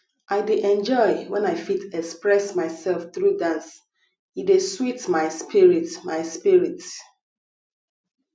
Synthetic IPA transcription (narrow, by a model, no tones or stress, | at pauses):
ʔaɪdeʔɛ̃nd͡ʒɔɪwɛ̃naɪfitɛkspɹɛsmaɪsɛlfθɹudãns | ideswitmaɪspʰiɹitmaɪspiɹit